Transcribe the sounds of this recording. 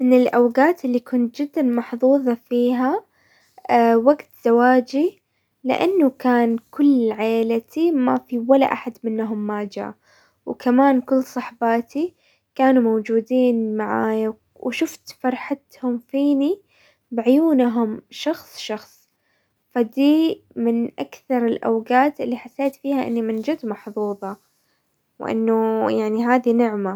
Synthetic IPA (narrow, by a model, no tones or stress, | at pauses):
mɪnɪlʔawɡaːt̪ɪlːikʊnt̪̚d͡ʒɪd̪ːanmɑħðˤuːðˤɑfiːɦa | waɡt̪z̥awaːd͡ʒi | lɪ̰ʔanːʊkaːnkʊlːʕeːlat̪imafiwala̰ʔaħad̪mɪnːɦʊmːaːd͡ʒa̰ː | wkʰamaːnkʊlːsˤɑħbaːt̪i | kaːnumowd͡ʒuːd̪iːnmaʕaːja | wʃʊft̪fɑɾˤħat̪hʊmfiːni | bɪʕʊjuːnɦʊmʃɑxsˤʃɑxsˤ | fad̪iːmɪnʔakθɑɾˤɪlʔa̰wɡaːt̪ɪlːiħasːeːt̪fiːhaʔɪ̰nːimɪnd͡ʒɪd̪mɑħðˤuːðˤɑ | wʔɪ̰nːʊjaʕniɦaːðinɪʕma